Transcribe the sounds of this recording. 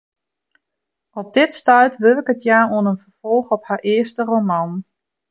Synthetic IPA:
ɔp̚dɪtstœɥtʋɪlɪkətʰjaːoənənfərfɔlˠxɔphaʔɪəstəromɑn

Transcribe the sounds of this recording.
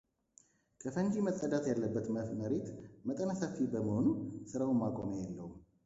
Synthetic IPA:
kʰəfənd͡ʒiməsʼəd̪at̪jalːəbːət̪məɾet̪mət̪ʼənasafibəməhonusɨɾawunmakʼomjɛlːəhu

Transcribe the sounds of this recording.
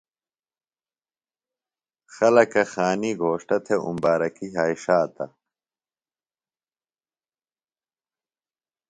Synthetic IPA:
xɐlɐkɐxaːniɡʱoːʂʈɐt̪ʰeṵmbaːɾɐkiɦaːiʂaːt̪ɐ̰

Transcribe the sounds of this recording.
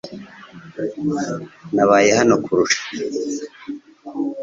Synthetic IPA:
naβaːje̞ɦano̞kuɾuʃḁ

